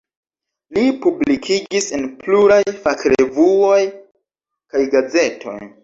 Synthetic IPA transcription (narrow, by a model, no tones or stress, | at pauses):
lipublikʰid͡ʒisenpluɾajfakɾevuoj | kajɡaze̞tʰo̞̰j